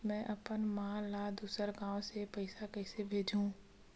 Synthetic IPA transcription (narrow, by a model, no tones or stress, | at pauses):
mɛ̃ːʔɐpənmãːlaːd̪uːsəɾɡãːʋsepɐɪsakɛɪsebʱeːd͡ʒʱũː